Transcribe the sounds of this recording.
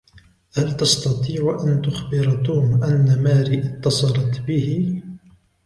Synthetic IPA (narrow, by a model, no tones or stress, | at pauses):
halt̪ɑst̪ɑt̪ˤiːʕʔant̪ʊxbɪɾt̪uːmʔanːamaːɾiːʔɪt̪ːɑsˤɑɾˤɑt̪bɪhɪ